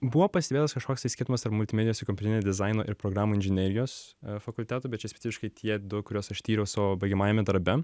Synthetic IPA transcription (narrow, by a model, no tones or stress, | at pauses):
bʊʋoːpɐsʲt̪ʲebʲeːt̪ɐskɐʃkoːkst̪ɐɪsʲkʲɪɾt̪ʊmɐst̪ɐɾpmʊlʲt̪ʲɪmʲɛd̪ʲɪjoːsɪkɔmpʲut̪ʲnʲed̪ʲɪzɐɪnoːʔɪɾpɾoːɡɾɑːmuːɪnʲʒʲɪnʲeːɾʲɪjoːsfɐkʊlʲt̪ʲæːt̪ʊːbʲɛt̪t͡ʃʲɛsʲpʲɛ̥tsʲɪfʲɪʃkɐɪt̪ʰʲiɛd̪ʊkʊɾʲoːsɐʃt̪ʲiːɾʲɛʊsʊbɐɪɡʲɛmɑːjɛmʲɛd̪ɐɾbʲɛ